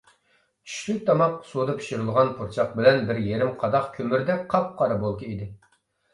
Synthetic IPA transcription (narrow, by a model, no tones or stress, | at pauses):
t͡ʃʰy̥ʃlyk̚ʲt̪ʰɑmɑqsud̪ɑpʰi̥ʃiɾɨlˠʁɑnpʰuɾt͡ʃʰɑq̚bɪlɛnbɪɾjeɾɪmqʰɑd̪ɑχkʲʰømyɾd̪ɛqʰɑp̚qʰɑɾɑbolˠkʲiid̪ɪ